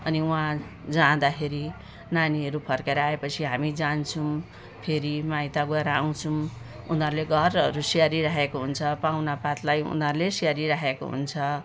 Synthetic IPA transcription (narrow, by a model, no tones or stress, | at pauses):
ʌniũãd͡zãd̪akʰeɾi | naniʌɾupʰʌrkeɾʌaepʌt͡sʰiɦamid͡zant͡sʰũ | pʰeɾimajt̪aɡeɾaaw̃t͡sʰũ | unɦʌɾleɡʱʌrʌɾusiaɾiɾaɦekoɦunt͡sʰʌpawnapat̪lajṵnɦʌrlesiaɾiɾaɦeko̰ɦṵnt͡sʰʌ